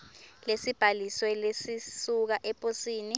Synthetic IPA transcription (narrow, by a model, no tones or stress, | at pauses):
lesib̥ʱaliswɛlesisuk̬aʔɛpʼosiːni